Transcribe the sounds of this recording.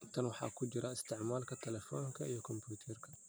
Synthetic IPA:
t̪ʰɐnwɑħɑ̰ːkʰʊd͡ʒɪɾaɪst̪ʰɪʕmaːlkʰɐt̪ʰɛlɛfɔːŋkʰɐʔijɔkʰɔmpuːt̪ʰɛrkʰɐ̥

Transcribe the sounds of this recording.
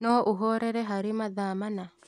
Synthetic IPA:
nɔʔuɦɔɾɛɾɛɦaɾimaðamana

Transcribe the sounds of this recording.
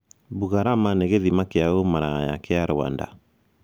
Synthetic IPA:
buɣaɾamaneɣeðimakeaomaɾaja̰keaɾoa̰nda̰

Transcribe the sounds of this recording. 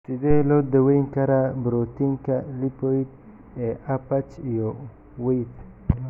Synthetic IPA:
sid̪elod̪əwejŋkaɾabɾot̪iŋkalipoit̪ | eʔapat͡ʃjo | wejt̪

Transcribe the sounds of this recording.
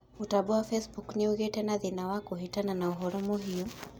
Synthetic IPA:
utaɓuafɛsbukniuɣɛtɛnaðinawakuɦitananauɦɔɾɔmɔɦiɔ

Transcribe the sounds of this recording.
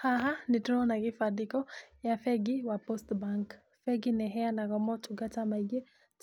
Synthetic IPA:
haɦanituɔnaɣifaɗikɔjafɛɡiwapɔstbaŋk | fɛɡinɛɦɛanaɣɔmɔtuɡatamaiɡɛ

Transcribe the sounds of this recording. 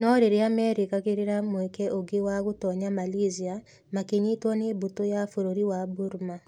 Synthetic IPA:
nɔɾeɾeamɛɾekakeɾeɾamwɛkɛʔoɡewaɣotɔɲamalizia | makeɲitwɔnebotojafoɾoɾiwabuɾma

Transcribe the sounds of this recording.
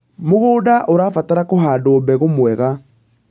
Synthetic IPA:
moɣoːdaʔoɾaːfataɾakoɦaːdoːbɛɣomwɛɣa

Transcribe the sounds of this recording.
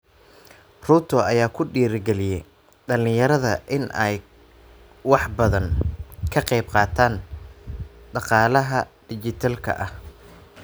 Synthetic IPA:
ruːt̪ʰɔɐjaːkʰʊɖiːɾɡɛlɪjɛj | ɖɐlɪjɐɾɐðɐʔɪnʔɛ̰j | wɑħbɐðɐŋkʰɐqɛjbqɑːt̪ʰaːn | ɖɑqɑːlɐɦɐɖɪt͡ʃɪt̪ʰalkʰɐ̰ʔɐh

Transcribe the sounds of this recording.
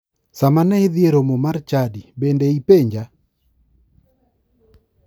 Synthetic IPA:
samanaeðjeɾomomart͡ʃadibendeipeɲd͡ʒa

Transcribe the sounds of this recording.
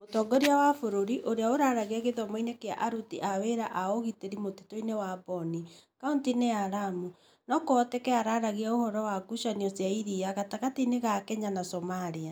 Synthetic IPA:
motɔːɡɔɾiawafoɾoɾiʔoɾeaoɾaɾaɣiaɣeðɔmɔinekea̰ʔaɾutiʔaweɾaʔaɔɣiteɾimotitoinewabɔnikauntineaɾamu | nɔkoɔtɛkɛaɾaɾaɣiaohɔɾɔwaɡuʃaniɔsjaiɾiaɣataɣatineɣakɛɲanasɔmaɾia

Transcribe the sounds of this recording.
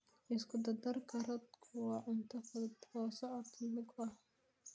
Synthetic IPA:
ʔɪskʰʊd̪ɐd̪ɐrkʰɐɾɐd̪kʰʊwɑːʕʊnt̪ʰɐfɐd̪ɔːsɔʕɔt̪ʰilʊɡɐh

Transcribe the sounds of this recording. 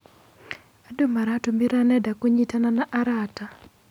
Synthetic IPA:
adomaɾatomiɾanɛdakoɲitananaʔaɾata

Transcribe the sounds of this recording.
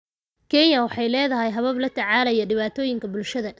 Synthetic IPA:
kʰɛnjɐwɑħɑjlɛːðɐɦɛjɦɐβɐblɐt̪ʰɐʕaːlɐjɐɖɪβaːt̪ʰɔːjɪŋkʰɐbʊlʃɐðɐ

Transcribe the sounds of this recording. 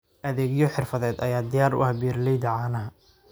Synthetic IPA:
ʔɐðɛːɡjɔħɪrfɐðɛːd̪ɐjaːd̪ɪjaːɾʊ̰ʔɐhbiːrlɛjd̪ɐʕaːnɐɦɐ

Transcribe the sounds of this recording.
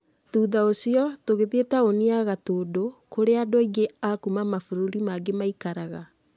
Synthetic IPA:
tuːðaosiɔtoɣeðetaoniaɣatoːdokoɾeadɔiɡeakumamafoɾoɾimaɡemaikaɾaɣa

